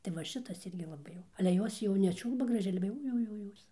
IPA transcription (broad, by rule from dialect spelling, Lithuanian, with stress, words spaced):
tɐɪ ʋɐ ˈʃʲɪtɐs ˈɪrʲɡʲɪ lˠɐˈbɐɪ jɛʊ ɐlʲɛ ˈjoːs jɛʊ nʲɛˈt͡ʃʲuːlˠbɐ ɡrɐˈʒʲɛɪ ˈɑːlʲɛ jɛʊ jɛʊ jɛʊ ˈjoːs